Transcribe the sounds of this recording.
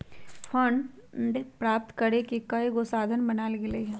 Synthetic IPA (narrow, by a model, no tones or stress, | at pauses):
fɐɳɖpɾaːp̚t̪kɐɾekekɐeɡosaːd̪ʱənbɐnaːlɡɪleɦ